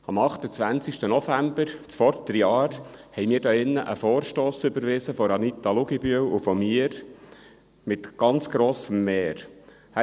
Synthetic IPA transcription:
ɑmɑχt̪ət͡sʋænt͡siʃtənɔfæmbəɾt͡sfɔɾt̪əɾjɑːɾhɛjmiːɾdɑːɪnːəʔəfɔːɾʃtoːsʏbəɾʋɪsəfɔɾɑnit̪ɑlʊɡibyəwufɔmiːəɾ | mɪt̪ɡ̥ɑnt͡sɡ̥ɾoːsəmːeːɾ | hæ

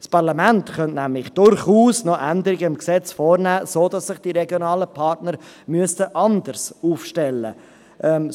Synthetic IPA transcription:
spɑʁlɑmæntχœntnæmlɪxd̥ʊɾχuːsnɔʔænd̪əɾɪɡəɪmksɛt͡sfoːɾnæːsoːd̥ɑsːɪχd̥iɾɛɡjonɑːləpʰɑɾtnəɾ | myəstəʔɑnd̪əɾsuːfʃtɛlːə̰ | ʔɛm

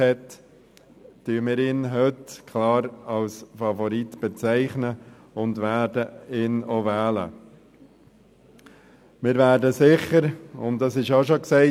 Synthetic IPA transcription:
hɛt | yːəmɪːɾɪːnɦøtkʰlɑːɾɑlsfɑfɔɾitb̥ɛt͡sæɪχnə | ʊndʋæːdəɪːnovæːlə̰ | mɪːɾvæːɾdəsɪχəɾʊ̰ntdɑsɪʃɑʃoksɛɪ

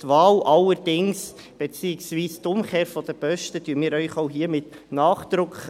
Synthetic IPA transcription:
tʋɑːlʔɑlːəɾd̥ɪŋs | b̥ɛt͡siːɪksʋiːst̪ʊmkeːɾfɔd̥̪əb̥œʃtədyːənmiːɾœʏχoʊɦiːəmɪt̪ | nɑːχd̪̥ɾʊkχ

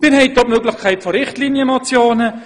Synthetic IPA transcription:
mɪnhɛjt̚d̪ɔtmøːɡlɪχkʰaɪtfoɾɪχtliːnjəmot͡sjoːnə

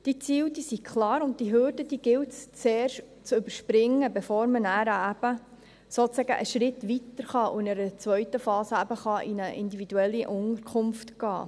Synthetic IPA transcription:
d̥it͡siːwd̥iːsikʰlɑːɾʊnttd̥iɦøːɾdəd̥̪iːɡ̥ɪwtst͡seːrʃ | t͡sʏbəɾʃpɾɪŋːəbefoːɾmənæːɾəæb̥ə | soːt͡sæɡə̰ʔəʃɾɪtʋit̪əɾχɑʊɪnəɾət͡sʋœɥtəfɑːsəæbəχɑʔinəʔɪndivid̪uɛlːiʔʊŋəɾkʰχʊmftɡɑ̰ː

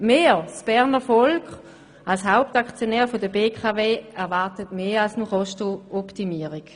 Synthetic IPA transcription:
meːsb̥ɛʁnəfɔlk | alshaʊp̚takt͡sjonɛːʁfodəbeːkʰaveːɛʁvaʁtətmeːalsnuχɔʃtoɔptimiːəʁik

